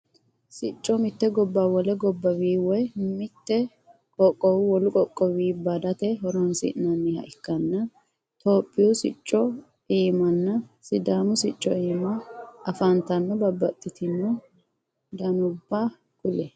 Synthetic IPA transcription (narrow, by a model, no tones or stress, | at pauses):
sɪt͡ʃʼːɔmɪt̪ːɛɡɔbːawɔlɛɡɔbːɐwiːwɔjmɪt̪ːɛ | kʼɔkʼːɔwwɔlʊkʼɔkʼːɔwiːbad̪ɐt̪ɛɦɔɾɔnsɪ̰nɐnːɪhɐ̰ʔɪkːɐnːɐ | t̪oːpʼːɪjɔsɪ̰t͡ʃʼːɔ | iːmɐnːɐsɪd̪aːmʊsɪt͡ʃʼːɔiːmɐɐfɐnt̪ɐnːɔbɐbːɐt̪ʼːɪt̪ɪnɔ | d̪ɐnʊbːa | kʼʊlɛ